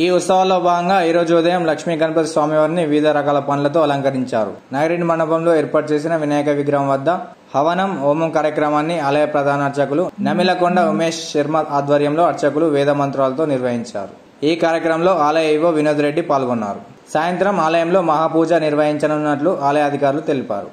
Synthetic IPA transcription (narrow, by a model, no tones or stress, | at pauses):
iːut̪sɐʋɐlːoːbʱaːɡɐŋɡaːiːɾoːd͡ʒuːd̪ɐjɐmlɐkʂmiːɡɐnpɐt̪sʋaːmiʋɐɾniʋiːd̪ʱɐɾɐkaːlɐpɐnlɐt̪̬oːɐlɐŋkɐɾiɲt͡ʃa̰ːɾṵ | nɐjɾiɳɖmɐɳɐbʱɐmlo̞ːeːɾpaːʈ̚t͡ʃe̞ːs̬inɐʋinɛːjɐkɐʋiɡɾɐːɐmʋɐd̪ːɐ | hɐʋɐnɐmoːmɐmkaːɾjɐkɾɐmaːnːiaːlɐjɐpɾɐd̪ʱaːnɐɐɾt͡ʃɐkulunɐmilɐkoɳɖɐumeːʂʃɐɾmɐt̪aːd̪ʋɐɾjɐmlo̞ːɐɾt͡ʃɐkuluʋɛːd̪ɐmɐnt̪ɾaːlɐt̪o̞ːniɾʋɐɦiɲt͡ʃa̰ːɾu | iːkaːɾjɐkɾɐmɐlo̞ːaːlɐjɐjʋoːʋinoːd̪uɾe̞ɖːipaːlɡɔnːa̰ːɾu | saːjɐnt̪ɾɐmaːlɐjɐmlo̞ːmɐɦaːpuːd͡ʒɐniɾʋɐɦiɲt͡ʃɐnɐnːɐʈluʔaːlɐjɐɐd̪ʱikaːɾulut̪e̞lipa̰ːɾu